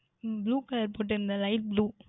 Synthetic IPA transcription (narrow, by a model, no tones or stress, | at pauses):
bluːkɐlɐɾpoːʈ̬ːɪɾɯnd̪alɐɪl̚bluː